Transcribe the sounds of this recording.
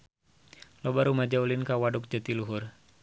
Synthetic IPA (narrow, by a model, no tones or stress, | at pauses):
lɔbaɾumad͡ʒaulinkawaduk̚d͡ʒət̪iluɦʊr